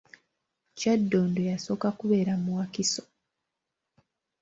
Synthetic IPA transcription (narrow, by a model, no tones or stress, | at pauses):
cadːo̞ːndojaso̞ːkakuβe̞ːɾamuwakiso̥